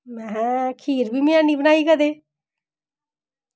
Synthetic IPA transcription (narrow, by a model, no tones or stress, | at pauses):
mɛ̃kʰiːɾbʱiːmɪjãːniːbənaːiːkəd̪eː